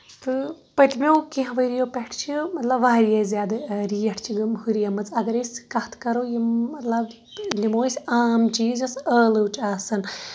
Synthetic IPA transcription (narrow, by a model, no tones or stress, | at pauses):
t̪ɨpɐt̪ʲmewkẽɦɐ̃ʋəɾijoːpʲeʈʰt͡ʃʰimɐt̪lɐbʋaːɾijɐzʲjaːd̪ɨɾiːjɐʈʰt͡ʃʰiɡɐmɦuɾijɐmɐt͡sɐɡɐɾisʲkɐht̪ʰkɐɾoːjiːɐt̪lɐb | lʲimoːisʲaːmt͡ʃiːzɐsəːlɨwt͡ʃaːsɨn